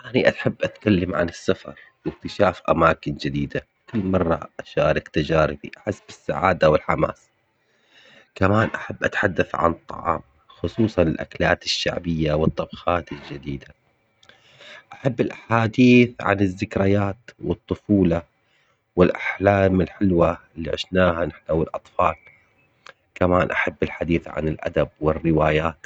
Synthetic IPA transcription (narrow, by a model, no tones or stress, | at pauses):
ʔaniʔaħabːʔat̪kalːamʕa̰nɪsːafɑ̰ɾˤ | wɪk̚t̪ɪʃaːfʔa̰maːkɪnd͡ʒɪd̪iːd̪a | kʊlːmɑrˤːɑ̰ʔaʃaːɾˤɪkt̪ad͡ʒaːɾɪbḭʔħasbɪsːaʕa̰ːd̪awɪlħama̰ːs | kamaːnʔaħabːʔat̪ħad̪ːaθʕa̰nɨt̪ˤːɑ̰ʕɑ̰ːm | xʊsˤuːsˤɑnɪlʔa̰klaːt̪ɪʃːa̰ʕbɪjːawɨt̪ˤːɑbxɑːt̪ɪld͡ʒɪd̪iːd̪a | ʔaħabːɪlʔaħaːd̪iːθʕa̰nɪzːɪkɾajaːt̪wɨt̪ˤːʊfuːlɑ | wɪlʔaħlaːmɪlħɪlwalːḭʕɪ̰ʃnaːhanɪħnawɪlʔɑt̪ˤfɑːl | kamaːnʔaħabːɪlħad̪iːθʕa̰nɪlʔa̰d̪ab̚wɪrːɪwaːjaːt̪